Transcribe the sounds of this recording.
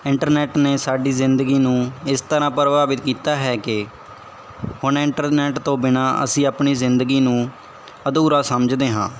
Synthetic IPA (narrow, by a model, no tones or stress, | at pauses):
ɪɳʈəɾnɛːʈneːsaːɖiːzɪnd̪əɡiːnũːɪst̪əɾãːpəɾbaːbɪt̪kiːt̪aːɦɛːkɪ | hʊnɪɳʈəɾnɛːʈt̪õːbɪnaːə̰sĩːaːpɳiːzɪnd̪əɡiːnũː | əd̪uːɾaːsəməd͡ʒd̪eːɦã̰ː